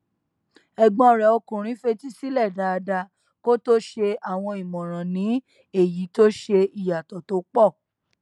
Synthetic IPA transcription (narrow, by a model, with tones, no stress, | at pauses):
ɛ˨ɡ͡bɔ̃˧ɔ˨ɾɛ˨o˧kũ˨ɾ̃ĩ˨˦fe˧ti˦si˦lɛ˦˨da˧˦a˧da˧ | ko˦to˦ʃe˧a˦˨w̃ɔ̃˧i˨mɔ̃˨ɾ̃ã˨nĩ˨˦ | e˦˨ji˨˦to˦ʃe˧i˨ja˨tɔ˨to˨˦k͡pɔ˦˨